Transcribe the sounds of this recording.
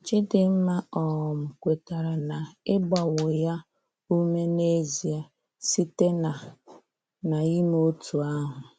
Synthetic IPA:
t͡ʃɪ˦dɪ˨m̩˦ma˦ɔ˨m̩˨kʷe˨ta˨ɾa˨na˨ɪ˦ba˨wʊ˨ja˦ | u˦me˦ne˦zi˨a˨ | si˦te˦na˨ | na˨i˦mo˦tʰu˨a˦ɦʊ˨

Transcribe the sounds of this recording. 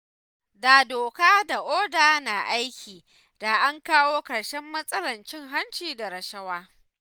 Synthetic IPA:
da˨doː˨kaː˦da˨ʔoː˦daː˨na˨ʔa˦jkʲiː˨ | d̥aː˨ʔa˦ŋkaː˦woː˦kɐ˨ɽʃɛ˦mːɐ˦sʼɐ˦lɐ˨nt͡ʃɪ˦ŋɦa˦nt͡ʃiː˨da˨ɾɐ˨ʃɐ˦waː˦

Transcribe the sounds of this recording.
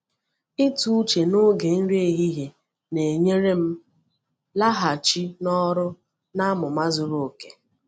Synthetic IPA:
ɪ˦tu˦u˦t͡ʃe˨nʊ˦ɡe˨n̩˦ɾe˦e˦ɦi˦ɦe˨ | ne˨ɲe˦ɾe˦m̩˦ | la˦ɦa˨t͡ʃi˦nɔ˦ɾʊ˦ | na˦mʊ˨ma˦zʊ˨ɾo˨o˨ke̥˨

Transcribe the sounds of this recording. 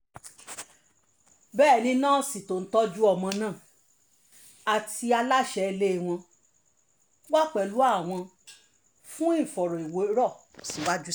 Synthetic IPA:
bɛː˦˨nĩ˧nãː˦˨si˨to˨n̩˦tɔ˦d͡ʒu˦ɔ˧˨mɔ̃˧nãː˦˨ | a˨ti˧a˧la˦˨ʃɛ˧e˧le˦˨w̃ɔ̃˧ | wa˦k͡pɛ˨lu˨˦a˦˨w̃ɔ̃˧ | fũ˦i˦˨fɔ˨ɾɔ˨i˨wo˨˦ɾɔ˦˨ | si˨wa˦d͡ʒu˦

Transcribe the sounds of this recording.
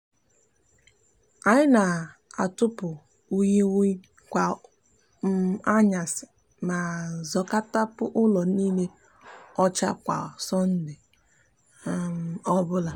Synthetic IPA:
a˨ɲɪ˦na˨ | a˨tʊ˦pʊ˨ | u˦ɲe˦w | kʷa˨ | m˦a˦ɲa˨sɪ˨ | ma˨zɔ˨ka˦ta˦pʊ˦ʔʊ˦lɔ˨niː˦le˦ | ɔ˦t͡ʃa˦kʷa̰˨sɔ˦n̩˦dɪ˨˦ | ɔ˦bʊ˦la˨

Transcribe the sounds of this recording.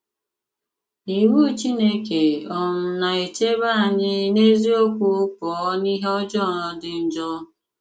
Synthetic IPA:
i˨wu˦t͡ʃi˦ne˦ke˨ɔ˨mʊ˨na˨e˨t͡ʃe˦ba˦a˨ɲɪ˦ne˦zi˦o˦kʷʊ˦kɔ˨˦ni˦ɦe˦ɔ˦d͡ʒɔ˦˨nɔ˨˦dɪ˨n̩˨d͡ʒɔ˦

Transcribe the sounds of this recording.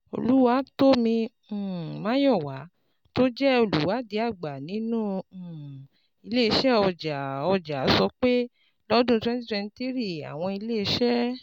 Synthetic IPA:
o̰˨lu˨˦wa˧˦to˦mĩ˧˨ | mã˨˦jɔ˦˨wa˨˦ | to˦d͡ʒɛ˦o˦˨lṵ˨˦wa˨˦di˧˦a˦˨ɡ͡ba˨nĩ˨˦nũ˦˨ | i˧le˦i˧ʃɛ˦ɔ˧˨d͡ʒa˨ɔ˧˨d͡ʒa˨˦sɔ˧k͡pe˦ | lɔ˦dũ˦˧tɛ̃˦ti˦ɛ̃˧n˧ti˦ɾi˦˨a̰˨w̃ɔ̃˧i˧le˦i˧˦ʃɛ˦

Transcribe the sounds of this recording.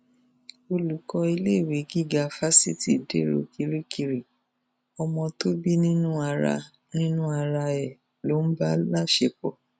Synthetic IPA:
o˧lu˨kɔ˧i˧le˦˨we˨˦ɡi˦˨ɡa˧˦fa˦si˦˨ti˨dḛ˦ɾo̰˧ki˧ɾi˦ki˧ɾi˨ | ɔ˧mɔ̃˧to˦bi˦nĩ˦nũ˦a˧ɾa̰˧ | nĩ˦nũ˦a˧ɾa˧ɛ˨ | lo˨˦n̩˦ba˦la˦˨ʃe˧k͡pɔ˨

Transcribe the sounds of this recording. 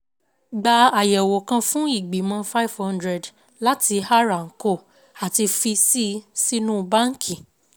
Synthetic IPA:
ɡ͡ba˧a˨jɛ˨wo˨kã˧fũ˦i˦˨ɡ͡bi˨mã˧fa˦i˨vhã˦ndɾɛ˨d | la˦ti˧ha˦ɾa˨ŋ̩˨ko˦˨ | a˨ti˧fi˧si˦si˦nũ˦˧ba˦ŋ̩˦kʰĩ˨

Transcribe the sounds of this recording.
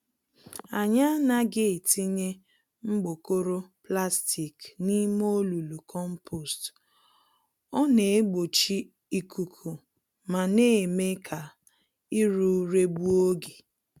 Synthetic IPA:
a˨ɲa˦na˦ɡɪ˦˨ti˦ɲe˦ | ŋ͡m̩˦ɡ͡bo˨ko˦ɾo˦pla˦sti˨kni˦mo˦lu˨lu˨kʰɔ˦m̩˦pʰo˨st | ɔ˦ne˨e˦ɡ͡bo˨t͡ʃi˦ | i˨kʰu˨kʰu˨ | ma˨ne˦˨me˦kʰa˨ | i˦ɾu˦˨˦ɾe˦bu˦o˦ɡe˨

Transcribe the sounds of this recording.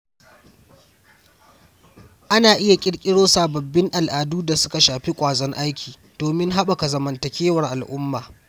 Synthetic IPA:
ʔa˦naː˨ʔɪ˦ja˨kʲʼɪ˦ɽkʲʼɪ˦ɽoː˦saː˨bɐ˨bːɪ˦ŋʔa˨lʔaː˨duː˦da˨sʊ˦ka˨ʃaː˨ɸi˦kʷʼaː˨zɐ˦ŋʔa˦jkʲʰiː˨ | d̥oː˨mɪ˦ŋɦa˦ɓa˨ka˨zɐ˨mɐ˨ntɐ˨kʲeː˦wɐ˨rʔa˨lʔʊ˦mːaː˨

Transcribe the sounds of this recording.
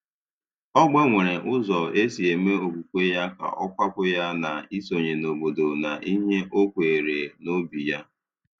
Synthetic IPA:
ɔ˦ɡ͡be˦ŋʷe˨ɾe˨ʔʊ˦zɔ˨e˦si˨e˨me˦o˨ku˨kʷe˦ja˦ka̰˨ʔɔ˦kʷa˦kʊ˦ja˦na˨i˦so˨ɲe˨no˨bo˨do˨na˨ʔi˦ɲe˦ʔo˦kʷe˨ɾe˨no˦bi˨ja˦

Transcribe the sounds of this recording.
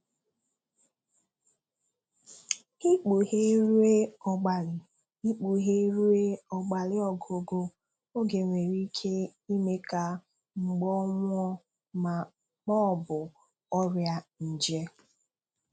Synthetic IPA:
i˦k͡pu˨he˦ɾu˦e˦ɔ˨ɡ͡ba˨lɪ˨ | i˦k͡pu˨ɦe˦ɾu˦e˦ɔ˨ɡ͡ba˨lɪ˦ɔ˨ɡo˨ɡo˦ | o˦ɡe˨ŋʷe˨ɾi˦kʰe˦i˦me˦ka˨ | ŋ͡m̩˨ɡ͡bɔ˦ŋʷɔ˦ | ma˨ | k͡pɔ˦˨bʊ˨ | ɔ˦ɾja˦n̩˨d͡ʒe˦

